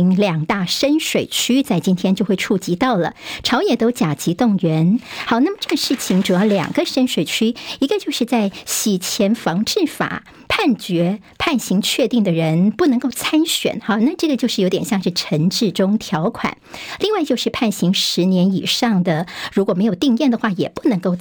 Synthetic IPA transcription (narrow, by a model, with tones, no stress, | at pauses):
ŋljɑ˨˩ŋt̪a˥˩ʂə˥nʂwe˨˩ɪt͡ɕʰy˥t͡sa˥˩ɪt͡ɕi˥nt̪ʰjɛ˥nt͡ɕjo˥˧ʊxwe˥˧ɪʈ͡ʂʰu˥˩t͡ɕi˧˥t̪ɑ˥˩ʊlə̰˩ʈ͡ʂʰɑ˧˥ʊjɛ˨˩t̪o˥ʊt͡ɕja˨˩t͡ɕi˧˥t̪ʊ˥˩ŋɥɛ˧˥nxɑ˨˩ʊna˥˩mə˩ʈ͡ʂɤ˥˩ɡə˩ʂɻ̩˥˩t͡ɕʰi˧˩ŋʈ͡ʂu˨˩jɑ˥˩ʊljɑ̰˨˩ŋɡə˧˦ʂə˥nʂwe˨˩ɪt͡ɕʰy˥i˧˥ɡə˧t͡ɕjo˥˧ʊʂɻ̩˥˧t͡sa˥˩ɪɕi˨˩t͡ɕʰjɛ˧˥nfɑ˧˥ŋʈ͡ʂɻ̩˥˩fa̰˨˩˦ | pʰa˥˩nt͡ɕɥɛ˧˥ | pʰa˥˩nɕi˧˥ŋt͡ɕʰɥɛ˥˧t̪i˥˩ŋd̪ə˩ɻə˧˥npu˥˩nɤ˧˥ŋko˥˩ʊt͡sʰa˥nɕɥɛ̰˨˩nxɑ˥˧˩na˥˧ʈ͡ʂɤ˥˩ɡə˩t͡ɕjo˥˧ʊʂɻ̩˥˩jo˧˥ʊt̪jɛ˨˩nɕjɑ˥˧ŋʂɻ̩˥˩ʈ͡ʂʰə˧˥ŋʈ͡ʂɻ̩˥˩ʈ͡ʂʊ˥ŋt̪ʰjɑ˧˥ʊkʰwa̰˨˩˦nli˥˧ŋwa˥˧ɪt͡ɕjo˥˧ʊʂɻ̩˥˧pʰa˥˩nɕi˧˥ŋʂɻ̩˧˥njɛ˧˥ni˨˩ʂɑ˥˩ŋd̪ə˩ɻu˧˥kwɔ˨˩me˧˥ɪjo˨˩ʊt̪i˥˧ŋjɛ˥˩nd̪ə˩xwa˥˩jɛ̰˨˩pu˥˩nɤ˧˥ŋko˥˩ʊ